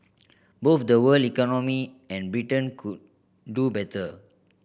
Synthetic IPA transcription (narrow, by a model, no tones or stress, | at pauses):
bofdəwəlikɔnɔmi | ɛ̃nbɹitə̃nkʰud̚ | dubɛtʰə